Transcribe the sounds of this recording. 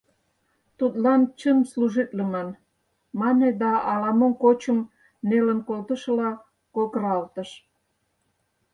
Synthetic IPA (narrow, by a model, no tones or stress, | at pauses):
t̪ut̪lɑnt͡ɕəmsluʒit̪ləmɑn | mɑned̪ɑʔːlɑmomkot͡ɕə̆m | nelə̆nkolt̪ə̆ʃəlɑ | kolkəɾɑlt̪ə̆ʃ